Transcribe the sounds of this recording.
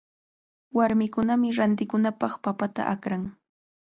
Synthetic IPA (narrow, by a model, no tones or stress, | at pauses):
waɾmɪkʊnamɪɾant̪ɪkʊnapɑχpapat̪a̰ʔakɾaŋ